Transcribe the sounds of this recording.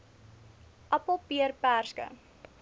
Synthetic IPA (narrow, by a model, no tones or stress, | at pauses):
ʔɐpopiərpæːrskə̰